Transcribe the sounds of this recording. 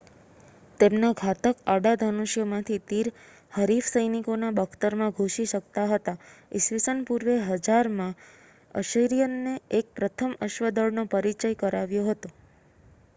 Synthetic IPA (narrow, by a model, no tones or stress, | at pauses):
t̪emnaɡʱat̪əkaɽad̪ʱənuʃjomãt̪ʰit̪iɾ | həɾifsəjnikonabəkʰt̪əɾmãɡʱoʃiʃəkt̪aɦət̪aɪʃʋisənpuɾʋeɦəd͡ʒaɾmã | ə̰ʃəjɾijənːeek̚pɾət̪ʰəməʃʋəd̪əɭnopəɾit͡ʃəjkəɾaʋjoɦət̪o